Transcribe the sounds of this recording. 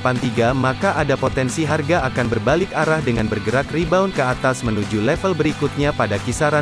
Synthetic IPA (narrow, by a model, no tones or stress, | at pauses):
pant̪iɡamakaʔadapot̪ɛnsiɦarɡaakanbərbalɪkaɾahdəŋanbərɡəɾakribaunkəat̪asmənud͡ʒulɛfəlbəɾikut̪̚ɲapadakisaɾan